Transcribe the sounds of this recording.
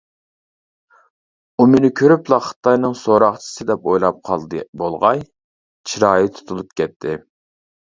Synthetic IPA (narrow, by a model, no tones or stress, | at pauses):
umynɪkʲʰøɾyplˠɑχɨ̥t̪ʰɑjnɨŋsoɾɑχt͡ʃʰɪ̥sɨd̪ɛpojlˠɑp̚qʰɑ̰lˠd̪bolˠʁɑj | t͡ʃʰiɾɑːjit̪ʰu̥t̪ʰulˠup̚kʲʰɛt̪ʰːɪ